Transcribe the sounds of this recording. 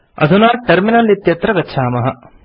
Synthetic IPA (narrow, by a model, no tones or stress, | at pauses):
ɐ̰d̪ʱunaːʈɐɾminalit̪jɐt̪ɾɐɡɐtːʃʰaːmɐɦɐ